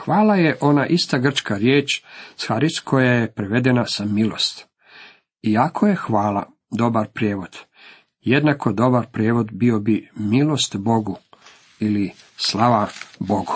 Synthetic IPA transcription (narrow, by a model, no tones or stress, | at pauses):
xʋaːlajeʔo̞naʔist̪aɡr̩t͡ʃkaɾjeːt͡ʃsxaɾiskʰo̞jajepɾeʋed̪enasamilo̞̰st̪ | iakʰo̞je̞xʋaːlˠa̰ | d̪o̞baɾpɾjeːʋo̞d̪̥ | jed̪nako̞d̪o̞baɾpɾjeːʋo̞d̪biobimilˠo̞st̪bo̞ɡu | ili | slˠaʋabo̞ɡu̥